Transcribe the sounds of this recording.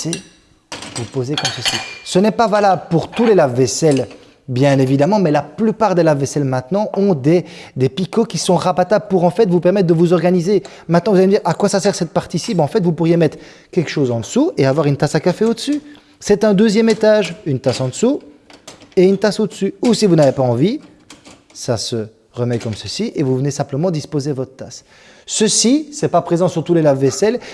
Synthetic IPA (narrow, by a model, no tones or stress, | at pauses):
se | vupozekɔ̃səsisənɛpavalabləpuʁt̪ulelavːɛsɛl | bjɛ̃nevid̪amɑ̃mɛlaplypaʁd̪elavːɛsɛlmɛ̃t̪nɑ̃ʔɔ̃d̪ed̪epikokʲisɔ̃ʁapat̪ablpuʁɑ̃fɛt̪vupɛʁmɛt̪̚d̪əvuzɔʁɡanize | mɛ̃t̪nɑ̃vuzalemud̪iːʁʔakwasasɛʁsɛt̪̚paʁt̪isibɛɑ̃fɛt̪vupuʁjemɛt̪χ | kʲɛlkə̥ʃozɑ̃d̪əsueavwaʁynt̪asakafeod̪əsy | sɛt̪ɛ̃d̪øzjɛmet̪aʒynt̪asɑ̃d̪əsu | eynt̪asod̪əsyusivunavepaɑ̃vi | sasə | ʁəmɛkɔmsəsiʔevuvənesɛ̃pləmɑ̃d̪ispozevɔt̪χət̪as | səsisɛpapχezɑ̃syʁt̪ulelavːɛsɛl